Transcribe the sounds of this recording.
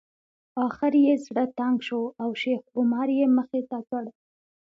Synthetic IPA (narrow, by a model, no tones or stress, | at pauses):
ɑxɪɾjezɽət̪aŋɡʃoawʃexɡʊmɑɾjeməxet̪at͡səɽ